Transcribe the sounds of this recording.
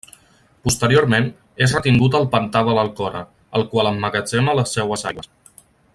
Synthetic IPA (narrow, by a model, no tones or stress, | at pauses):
pust̪əɾioɾmen | ezrət̪iŋɡut̪əlˠpənt̪aβələlˠkɔɾə̰ | əlˠkwaləmːəɣəd͡ʒenələsːɛwəzaβəs